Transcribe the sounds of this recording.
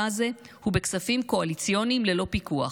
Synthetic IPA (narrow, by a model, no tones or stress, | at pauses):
aze | hube̞ksafimko̞alit͡sjo̞nimle̞lo̞pikua̰